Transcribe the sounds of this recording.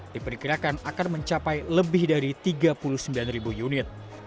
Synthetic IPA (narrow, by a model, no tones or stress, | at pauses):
d̥ipərkiɾakanakanməɲt͡ʃapajləbɪhdaɾit̪iɡapulʊhsəmbilanribujunɪt̪̚